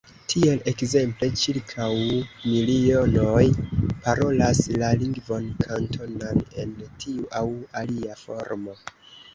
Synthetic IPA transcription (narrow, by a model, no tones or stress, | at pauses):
tʰie̞le̞kze̞mple̞t͡ʃiɾkʰawmilio̞no̞jpaɾo̞laslaliŋɡvo̞nkʰantʰo̞nane̞ntʰiuʔawaliafo̞̰ɾmo̞